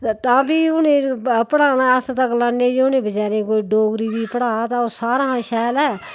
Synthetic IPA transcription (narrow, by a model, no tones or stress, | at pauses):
t̪ãːbiːʊnẽːpəɽaːnaːəst̪əklanːeːd͡ʒeʊnẽːbəd͡ʒaːɾẽːk̬oːiɖoːɡɾiːbiːpəɽaːat̪aoːsaːɾãːʃɛːlɛː